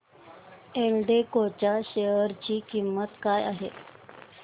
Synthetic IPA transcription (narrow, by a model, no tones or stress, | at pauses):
elɖekot͡ɕaɕejəɾt͡ɕiːkimːət̪kaja̰ɦḛ